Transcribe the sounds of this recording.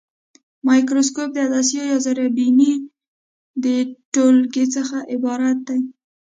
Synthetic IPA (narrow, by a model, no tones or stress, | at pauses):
mɑjkɾoskop̚d̪əad̪ɑsijojɑzaɾabini | d̪əʈolɡet͡səxaʔɪbɑɾat̪̚d̪aj